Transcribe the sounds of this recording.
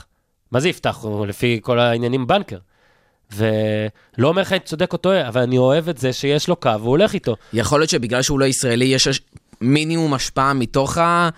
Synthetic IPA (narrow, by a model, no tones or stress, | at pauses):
mazɛiftaχlefiko̞lainjanimbankeʁ | ve̞ | lo̞ːmeʁχant͡so̞de̞ko̞to̞avalanio̞e̞vetzeʃejeʃlo̞kaveole̞χito̞jaχo̞ljo̞t̪ʃebiɡlalʃeuloisʁaelijeʃminiumaʃpaamito̞χa